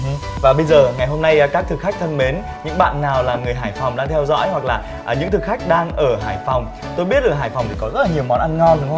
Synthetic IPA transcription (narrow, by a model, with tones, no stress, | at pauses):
vaː˨˩ɓə˧jzəː˨˩ŋa˨˩jɦo˧mna˧jkaː˦˥k̚t̪ʰɨ˨˩k̚xa˦˥jk̚t̪ʰə˧nme˨˦n | ɲɨ̰˧˥ŋɓa̰ː˧˨nːaː˨˩wlaː˨˩ŋɨ˨˩əjɦaː˧˩jfa˨˩wŋ͡mɗaː˧ŋt̪ʰɛ˧wzɔ̰˧˥jhwa˨˩k̚laː˨˩˨ | ɲɨ̰˧˥ŋt̪ʰɨ˨˩kxa˦˥jk̟̚ɗaː˧ŋʔəː˧˩ɦaː˧˩jfa˨˩wŋ͡m | t̪o˧jɓi˦˥ət̚laː˨˩ɦaː˧˩jfa˨˩wŋ͡mt̪i˨˩kɔ˨˦zə˦˥laː˨ɲi˨˩əwmɔ˨˦nʔa˧nŋɔ˧nɗɨ˨˦˧w